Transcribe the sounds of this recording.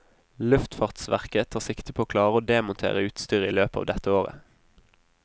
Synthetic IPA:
lʉft̪fɑːʁt̪sʋæʁkət̪ʰɑːʁsɪkt̪əpʰoːoːkʰlɑːʁəoːd̪eːmʊnt̪ʰḛːʁəʉːt̪st̪yːʁəiːløːpəɑ̰ʋd̪ɛt̪əoːʁə̰

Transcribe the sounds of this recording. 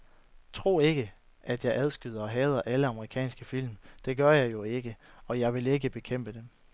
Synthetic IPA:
t͡sʰʁo̝̰ːe̝ɡ̥ə | ʔæd̥jɑ̈ɪʔæð̞ˠsɡ̥yð̞ˠɐɒ̽ɦɛːð̞ˠɐʔæləɑ̈məʁikʰɛ̰ːnsɡ̥əfil̰md̥e̝ɡ̥ɶɐjɑ̈ɪjo̝e̝ɡ̥əɒ̽jɑ̈ɪʋe̝le̝ɡ̥əb̥e̝kʰem̰b̥əd̥em

